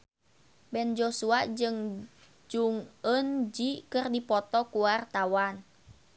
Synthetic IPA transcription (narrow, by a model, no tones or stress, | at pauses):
bɛnd͡ʒosuad͡ʒɨŋ | d͡ʒuŋənd͡ʒikɨrdipɔt̪ɔkuwart̪awan